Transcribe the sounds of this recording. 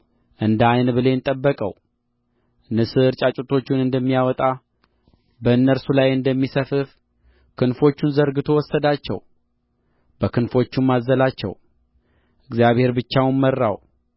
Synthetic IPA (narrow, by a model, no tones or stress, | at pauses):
ʔɨnd̪ajnbɨle̞nt̪ʼəbːəkʼə̰w | nɨsɨɾt͡ʃʼat͡ʃʼot̪ʰo̞t͡ʃːɪnɨnd̪əmːijawɔt̪ʼa | bəɨnːəɾsulajɨnd̪əmːisəfɨf | kʰɨnfo̞t͡ʃːɪnzəɾɡɨt̪ʰo̞wɔsːəd̪at͡ʃːɛ̰w | b̥əkʰɨnfo̞t͡ʃːumazːəlat͡ʃːɛ̰w | ʔɨɡzjaβhe̞ɾbɨt͡ʃːawnmːərːa̰w